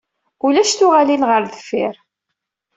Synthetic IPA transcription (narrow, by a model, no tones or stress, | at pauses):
ulæʃt̪ʊʁalinʁəɾðəfːiɾ